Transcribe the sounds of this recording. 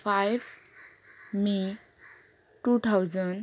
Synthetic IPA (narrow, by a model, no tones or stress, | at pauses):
fajʋ | mi | ʈut̪ʰawd͡zən